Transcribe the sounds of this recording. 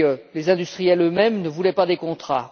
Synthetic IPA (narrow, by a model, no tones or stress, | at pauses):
lezɛ̃d̪yst̪χijɛlømɛmnəvulɛpad̪ekɔ̃t̪χa